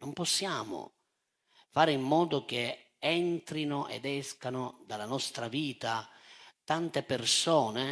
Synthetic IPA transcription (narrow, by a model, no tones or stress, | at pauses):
nompɔsːjaːmʊ̰ | faːɾimːɔːd̪ʊk̟e | ɛnt̪ɾinʊʔɛ̰d̪ɛskanʊd̪alanɔst̪ɾaviːt̪at̪ant̪epersɔːne